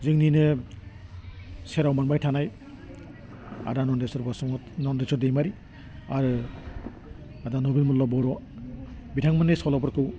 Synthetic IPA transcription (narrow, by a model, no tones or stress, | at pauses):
zɯŋninɯ | seɾawmanbajtʰanaj | a̰danɔndesɔɾbɔsɔɔ | nɔndesɔdejmaɾi | aɾɯ | adanɔbilmɔllɔbɔɾɔ | bitʰaŋmanesɔlɔbɔɾkɯw